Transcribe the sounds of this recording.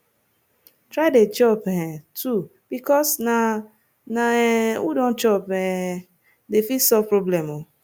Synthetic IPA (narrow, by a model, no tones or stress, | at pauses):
tɾaɪdet͡ʃɔphɛ̃tʰu | b̥ikɔsna | naudõnt͡ʃɔpɛ | defisɔpɾoblɛmo